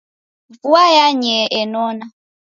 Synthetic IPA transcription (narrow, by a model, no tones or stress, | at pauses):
vuajaɲɛʔɛnɔna